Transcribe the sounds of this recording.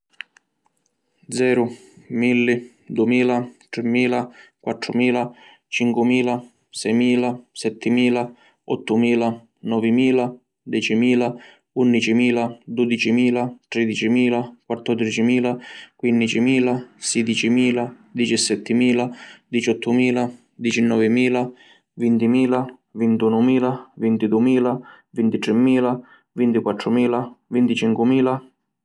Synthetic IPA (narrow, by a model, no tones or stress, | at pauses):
d̪zɛːɾʊ | milːi | d̪uɛmiːlat̪ɾɪmːiːlakwat̪ːɾʊmiːla | t͡ʃiŋkwumiːla | sɛjmiːlasɛt̪ʰːɪmiːla | ɔt̪ːʊmiːla | nɔvɪmiːla | d̪ɛt͡ʃimiːla | unːit͡ʃimiːlad̪ud̪it͡ʃimiːlat̪ɾɛd̪it͡ʃimiːlakwat̪ːɔd̪ɾit͡ʃimiːlakwinːit͡ʃimiːlasɛd̪it͡ʃimiːla | d̪it͡ʃɛsːɛt̪ʰːɪmiːlad̪it͡ʃɔt̪ʰːʊmiːla | d̪it͡ʃɛnːɔːvɪmiːla | vint̪imiːla | vint̪uːnʊmiːlavint̪id̪umiːla | vint̪it̪ɾɛmːiːla | vint̪ikwat̪ːɾʊmiːlavint̪it͡ʃiŋkwʊmiːla